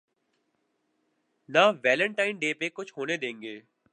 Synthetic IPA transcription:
naʋɛːlə̃ɳʈaːɪnɖeːpekʊt͡ʃʰɦoːned̪ẽːŋɡeː

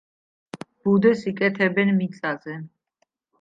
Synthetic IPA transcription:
b̥ud̪ɛsikʼɛt̪ʰɛbɛnmit̪sʼazɛ

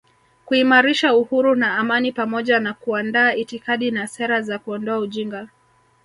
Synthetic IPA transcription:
kuimaɾiʃauhuɾunaːmanipamɔʄanakuandaːitikaɗinasɛɾazakuɔndɔauʄiŋɡa

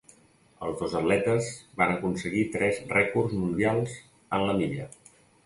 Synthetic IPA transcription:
əlˠzðozət̪lɛt̪əzbanəkunsəɣit̪ɾɛzrɛkurzmund̪ialˠz | ənləmiʎə

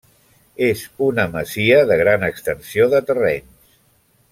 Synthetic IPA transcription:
ezunəməziəðəɣ̞ɾanəkst̪ənsioðət̪ərens

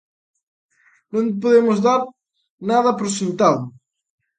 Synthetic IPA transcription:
nõmp̬oðemʊzðaɾ | naðɐpɾosint̪aðʊ

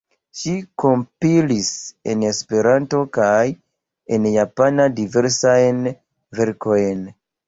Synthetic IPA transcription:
ʃikompilise̞̰ne̞spe̞ɾanto̞kaj | e̞njapanadive̞ɾsajn | ve̞ɾko̞jn

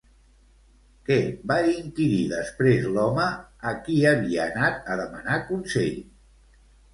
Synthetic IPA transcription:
kɛbaiŋkiɾiðəspɾezlɔməːkiəβiəːnat̪̚əðəmənakunsɛʎ

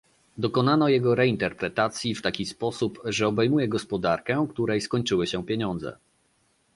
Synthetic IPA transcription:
d̪ɔkɔnanɔjɛɡɔɾɛint̪ɛɾpɾɛt̪at̪sʲjift̪akʲispɔsupʐɛɔbɛjmujɛɡɔspɔd̪aɾkɛkt̪uɾɛjskɔɲt͡ʂɘwɘɕɛpʲjeɲɔnd̪zɛ̰

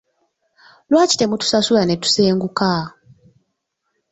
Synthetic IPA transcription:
lwaːci̥te̞mutu̥sasulane̞tu̥seːŋɡuka

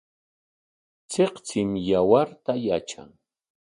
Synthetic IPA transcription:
t͡seqt͡sɪmjawaɾt̪ajat͡ʃa̰ŋ

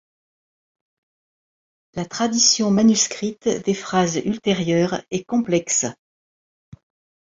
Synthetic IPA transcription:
lat̪χad̪isjɔ̃manyskχit̪d̪efχazylt̪eʁjœʁɛkɔ̃plɛks

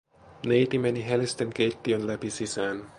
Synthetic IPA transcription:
nejt̪imeniɦelist̪ə̃nkejt̪ːionlæpisisan

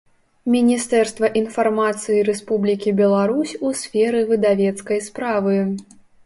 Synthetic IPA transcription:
mʲinʲist̪ɛrst̪vɐʔinfarmat̪sɨjiɾɛspublʲikʲibʲɛlˠaɾusʲusʲfʲɛɾɨvɨd̪avʲɛt̪skɐjspɾavɨ

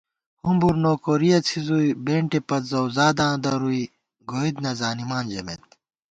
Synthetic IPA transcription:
humbuɾnoːkoːɾijɐt͡sʰizuibeːɳʈepɐt̪zɐwzaːd̪ãːd̪ɐɾui | ɡoːid̪nɐzaːnimaːnd͡ʑɐmḛt̪

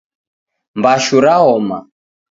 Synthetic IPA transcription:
mbaʃuɾaɦɔma̰

